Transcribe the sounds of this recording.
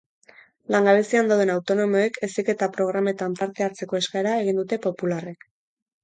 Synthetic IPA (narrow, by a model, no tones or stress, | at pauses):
laŋɡaβe̞siand̪awðe̞nawt̪o̞no̞mo̞ekʰe̞sike̞t̪apɾo̞ɣ̞ɾame̞t̪ampaɾt̪e̞aɾt͡se̞ko̞e̞skaeɾae̞ɣ̞ind̪ut̪e̞po̞pularek